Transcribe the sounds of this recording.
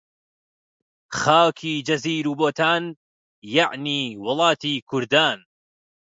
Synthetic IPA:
xaːkʰiːd͡ʒɐziːɾuːboːt̪ʰaːn | jaʕniːwʊlˠɑːt̪iːkʰʊɾd̪aːn

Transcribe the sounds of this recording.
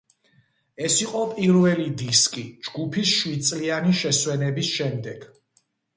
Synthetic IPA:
ɛsiqʼɔpʼiɾvɛlid̪iskʼid͡ʒɡupʰisʃwid̪̚t̪sʼlianiʃɛswɛnɛbisʃɛmd̪ɛɡ̥

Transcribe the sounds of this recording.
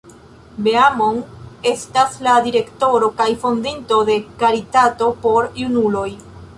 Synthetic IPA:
be̞amone̞stasladiɾe̞kto̞ɾo̞kajfo̞ndinto̞de̞kaɾitato̞po̞ɾjunulo̞j

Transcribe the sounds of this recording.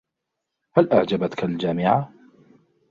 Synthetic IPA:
halʔaʕd͡ʒabat̪kald͡ʒaːmɪʕa

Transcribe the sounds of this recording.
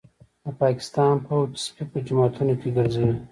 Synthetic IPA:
d̪əpɑːkɪ̥st̪ɑːnpət̪spipəd͡ʒamɑːt̪ʰunokeɡəɾzɐwi

